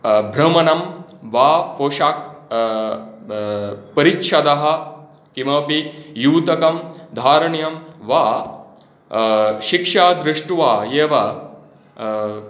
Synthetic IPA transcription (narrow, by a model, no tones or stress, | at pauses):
bʱɾɐmɐnɐmʋaːfoːʃaːk̚ | pɐɾitʃɐd̪ɐɦɐ̆ | kimɐːpijuːt̪ɐkɐmd̪ʱaːɾɐɳjɐmʋaː | ʃikʂaːd̪ɾɪʂʈʋaːjeːʋɐ